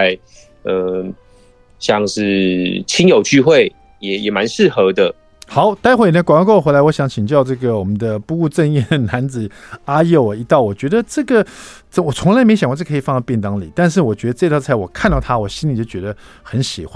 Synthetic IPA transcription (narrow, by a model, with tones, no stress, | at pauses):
ɪ | ə˧˩ | ɕjɑ˥˧ŋʂɻ̩˥˧˩t͡ɕʰi˥njo˨˩ʊt͡ɕy˥˧xwe˥˩ɪ | jɛ˨˩jɛ˨˩ma˧˦nʂɻ̩˥˩xɤ˧˥d̪ə˧ | xɑ˨˩˦ʊt̪a˥ɪxw̪kwa˨˩ŋ˥ko˥˩˨xwe˧˥la˧˥wɔ˦˥ɕjɑ˧˥ŋt͡ɕʰi˨˩ŋt͡ɕjɑ˥˧ʊʈ͡ʂɤ˥˩ɡə˩wɔ˨˩mə˦nd̪ə˧pu˥˧u˥˧ʈ͡ʂə˥˧njɛ˥˩na˧˥nt͡sɹ̩˨˩a˥jo˥˩ʊ˨˩i˧˥t̪ɑ˥˩ʊwɔ˨˩t͡ɕɥɛ˧˥d̪ə˧ʈ͡ʂɤ˥˩ɡə˩t͡sə˥˩wɔ˨˩t͡sʰʊ˧˥ŋla˧˥ɪme˧˥ɪɕ̬ŋkwkʰːfɑ˥˧nɑ˥˧piɛ˥˩ŋt̪ɑ˥ŋli˨˩˦t̪a˥˧nʂ̬ɻ̩˥˩wɔ˨˩t͡ɕɥɛ˧˥d̪ə˧ʈ͡ʂɤ˥˧t̪ʰt͡sʰa˧˥ɪwɔ˨˩kʰa˥˧nt̪ɑ˥˩ʊt̪ʰa˥wɔ˨˩ɕi˥nli˨˩t͡ɕo˥˩t͡ɕɥɛ˧˥d̪ə˧ | xə˧˥nɕi˨˩xwa˥˩